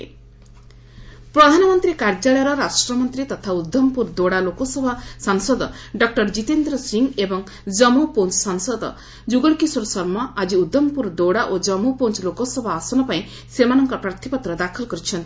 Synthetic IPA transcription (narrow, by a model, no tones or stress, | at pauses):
pɾɔd̪ʱanɔmɔnt̪ɾikaɾd͡ʒaɭɔjɾɔɾasʈɾɔmɔnt̪ɾit̪ɔt̪ʰaud̪ːɔmpuɾd̪oɽalokɔsɔbʱasaŋsɔd̪ɔɖɔk̚ʈɔɾd͡ʒit̪end̪ɾɔsiŋɡebɔŋ | d͡ʒɔmupont͡ʃsɔŋsɔd̪ɔ̰ | d͡ʒuɡɔɽkisɔɾɔsɔɾmɔad͡ʒiud̪ːɔmpuɾd̪oɽaʔod͡ʒɔmupont͡ʃlokɔsɔbʱaːsɔnɔpaĩ | semanɔŋkɔpɾaɾt̪ʰipɔt̪ɾɔd̪akʰɔlkɔɾit͡ʃʰɔnt̪i